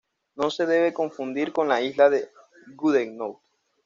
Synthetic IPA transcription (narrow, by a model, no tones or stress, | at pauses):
no̞se̞ðe̞β̞e̞ko̞ɱfund̪iɾko̞nlaizlaðe | ɡuðeŋnowt̪